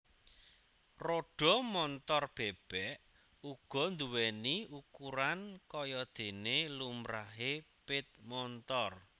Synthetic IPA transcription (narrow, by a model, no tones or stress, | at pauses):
roɖ̥ɔ̤mɔnt̪ɔrb̥eb̥ɛʔ | uɡ̥ɔ̤nd̪uwɛniukuɾankɔjɔd̪̥e̤nelumɾaɦepɪt̪̚mɔnt̪ɔr